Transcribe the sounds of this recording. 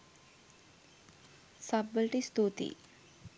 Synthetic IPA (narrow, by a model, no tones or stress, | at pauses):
sabəlʈist̪uːt̪ḭ